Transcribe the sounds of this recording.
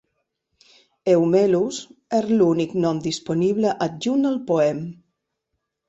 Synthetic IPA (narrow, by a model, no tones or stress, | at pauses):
ewmelusezluniknɔmd̪isponiβləʔat̪̚ʒunəlˠpoɛm